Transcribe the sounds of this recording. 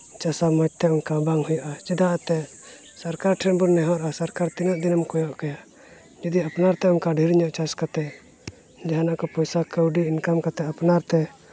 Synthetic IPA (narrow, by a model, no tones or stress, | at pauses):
t͡ʃasamad͡ʒ̚t̪ɛɔnkabaŋhujaʔat͡ʃid̪aʔat̪ɛ | saɾkaɾʈʰɾɛnbunɛɦɔɾasaɾkaɾt̪inəʔd̪inəmkɔjɔʔkja | d͡ʒid̪iapnaɾt̪ɛɔnkaɖʱiɾɲɔʔt͡ʃaskat̪ɛ | d͡ʒaɦanaʔkɔpɔjsakəwɖiːnkamkat̪ɛapnaɾt̪ɛ